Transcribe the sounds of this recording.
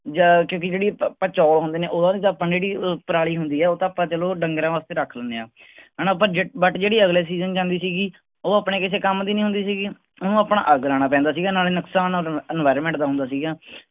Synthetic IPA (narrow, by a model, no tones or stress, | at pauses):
d͡ʒkjõːkid͡ʒeːɽiːpət͡ʃɔːlɦʊ̃nd̪eːnẽːʔoːd̪ãːd̪ĩːt̪aːpãːd͡ʒeːɽiːpəɾaːɭiːɦʊnd̪iːɛːoːt̪ãːpãːt͡ʃəloːɖəŋɡəɾãːʋaːst̪eːɾəkʰləneːa̰ː | ɦənãːpəd͡ʒbəʈd͡ʒeːɽiːəɡleːs̬iːzənd͡ʒãːnd̪iːsiːɡiː | oːaːpɽeːkɪseːkəmd̪iːnĩːɦʊ̃nd̪iːsiːɡiː | oːnũːaːpɳa̰ːʔəɡlaːɽ̃aːpɛ̃ːnd̪aːsiːɡaːnaːleːnəksaːnɔːɾɛnʋaːɪɾəɾmɛ̃ːɳʈ̚d̪aːɦʊnd̪aːsiːɡaː